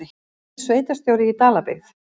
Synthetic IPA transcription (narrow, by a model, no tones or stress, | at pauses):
ɪ | sveːjt̪ast̪jowɾɪit̪aːlapḛɣθ